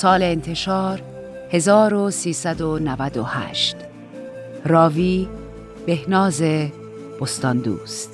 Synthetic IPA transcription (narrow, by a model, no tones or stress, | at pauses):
sɒːleːnt̪ʰe̞ʃɒːɾ | he̞zɒːɾosiːsæd̪onævæd̪ohæ̰ːʃt̪ | rɒːviː | b̥e̞hnɒːze | b̥ost̪ɒnd̪ṵːst̪